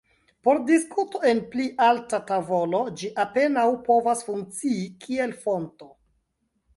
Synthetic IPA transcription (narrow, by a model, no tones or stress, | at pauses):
po̞ɾdiskuto̞e̞npliʔaltatavo̞lo̞d͡ʒiʔape̞nawpo̞vasfuŋk̚t͡siikʰie̞lfo̞nto̞